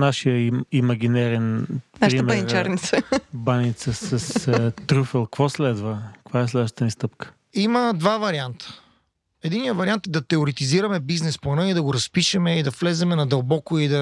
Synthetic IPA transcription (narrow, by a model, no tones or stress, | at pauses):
naʃijəimɐɡ̟inɛɾɛnp̪aʃɾɾimɛniɾt͡ʃaɾnit̪səbanit̪səsɐst̪ɾufɛlˠkvɔslɛd̪vəkvaɛslɛd̪vəʃt̪ət̪ənist̪ɤpkə̥ | imɐd̪vavɐɾiant̪ə̥ | ɛd̪inːijəvɐɾiant̪d̪ɐt̪ɛoɾit̪iziɾɐmɛbiznɛsponɛid̪ɐɡoɾɐspiʃɛmɛid̪ɐflɛzɛmɛnɐd̪ɐlˠbɔkʊid̪ɐ